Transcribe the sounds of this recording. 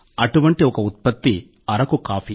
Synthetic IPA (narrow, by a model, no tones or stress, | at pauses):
ɐʈuʋɐɳʈiɔkɐut̪̚pɐt̪ːi | ɐɾɐkukaːfi